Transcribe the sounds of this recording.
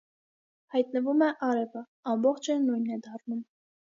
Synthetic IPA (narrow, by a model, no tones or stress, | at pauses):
hɑjt̪nəvumɛʔɑɾɛvə | ɑmbɔχt͡ʃʰɛnujnɛd̪ɑrnum